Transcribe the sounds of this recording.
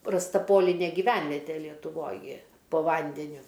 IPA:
rɐsˈtɐ ˈpoːlʲɪnʲeː ɡʲɪˈʋʲɛnʲʋʲɛtʲeː lʲiɛtʊˈʋoːj ɡʲɪ poː ˈʋɐnʲdʲɛnʲʊ

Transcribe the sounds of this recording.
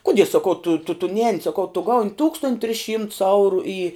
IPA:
ˈkʊdʲiɛ sɐˈkɐʊ tʊ tʊ tʊ ˈnʲɛːnʲɪ sɐˈkɐʊ tʊ ˈɡɐʊnʲ ˈtuːkstoːnʲtʲ tʲrʲɪs ˈʃʲiːmts ˈɐʊrʊ iː

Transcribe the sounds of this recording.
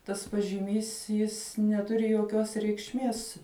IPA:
tɐs pɐʒʲɪˈmʲiːs ˈjɪs nʲɛˈtʊrʲɪ joːˈkʲoːs rʲɛɪkʃʲˈmʲiɛs

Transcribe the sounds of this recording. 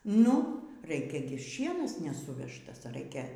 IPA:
ˈnʊ ˈrɐɪkʲɛ ɡʲɪ ˈʃʲiɛnɐs nʲɛˈsʊʋʲɛʃtɐs ˈrɐɪkʲɛ

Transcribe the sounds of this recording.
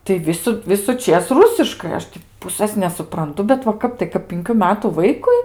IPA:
tɐɪ ˈʋʲɪsʊ ʋʲɪsʊˈt͡ʃʲeːs ˈrʊsʲɪʃkɐɪ ˈɐʃ tʲiː ˈpʊsɘs nʲɛsʊprɐnˈtʊ bʲɛt ʋɐ ˈkɐp tɐɪ kɐp pʲɪŋʲˈkʲuː ˈmʲæːtuː ˈʋɐɪkʊɪ

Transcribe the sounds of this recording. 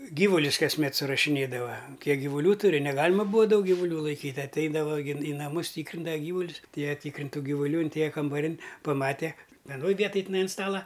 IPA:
ˈɡʲiːʋʊlʲʊs kɐsʲˈmʲɛt sʊrɐʃʲɪˈnʲeːdɐʋɐ ˈkʲiɛk ɡʲɪʋʊˈlʲuː tʊˈrʲɪ nʲɛˈɡɑːlʲɪmɐ ˈbuːɐ ˈdɐʊk ɡʲɪʋʊˈlʲuː lˠɐɪˈkʲiːtʲ ɐtʲˈɛɪdɐʋɐ ɡʲɪ iː nɐˈmʊs ˈtʲiːkrʲɪndɐʋɐ ˈɡʲiːʋʊlʲʊs ɐtʲˈeːjɛ ˈtʲiːkrʲɪnʲtʲ ˈtuː ɡʲɪʋʊˈlʲuː ɪnʲˈtʲeːjɛ kɐmbɐˈrʲɪnʲ pɐˈmɑːtʲɛ ʋʲɛˈnoːj ˈʋʲiɛtoːj tʲɪˈnɐɪ ɐn ˈstɑːlˠɐ

